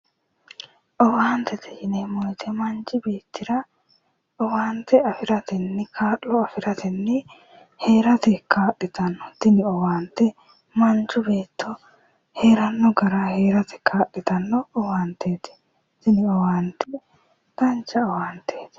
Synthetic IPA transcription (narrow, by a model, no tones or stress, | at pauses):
ʔɔwaːnt̪ɛt̪ʰɛjɪnɛmɔjt̪ʰɛmɐnt͡ʃɪbe̞ːt̪ːɪɾɐ | ʔɔwaːnt̪ːɛɐfɪɾɐt̪ɛnːɪkʰaːʔːɔɐfɪɾɐt̪ɛnːɪ | he̞ːɾɐt̪ɛkaːɗːɪt̪ɐnːɔt̪ɪnɪɔwaːnt̪ːɛ | mɐnt͡ʃʊbeːt̪ːɔ | he̞ːɾɐnːɔɡɐɾahe̞ːɾɐt̪ʰɛ̥kʰaːɗɪt̪ɐnːɔɔwaːnt̪ːeːt̪ɛ̥ | t̪ɪnɪɔwaːnt̪ːɛ | ɡ̥ɐnt͡ʃːɐɔwaːnt̪ʰeːt̪ɛ̥